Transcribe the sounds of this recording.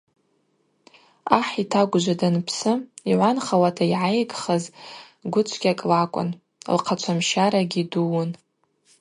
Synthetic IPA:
aħitʰaɡʷʊd͡ʒʷadanpʰsɨiʕʷanχawatʰaiʕajɡχəz | ɡʷʊt͡ʃʷʰɡʲakʼlakʷʼʊ̰n̰ | lqʰat͡ʃʷʰamʃaɾaɡʲiduwʊn

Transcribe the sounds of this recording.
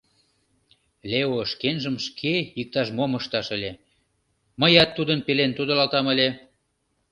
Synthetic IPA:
lʲeoʃkenʒəmʃkʰeik̚t̪ɑʃmoməʃt̪ɑʃəlʲe | məjɑt̪ːud̪ənpelent̪ud̪olɑlt̪ɑməlʲe

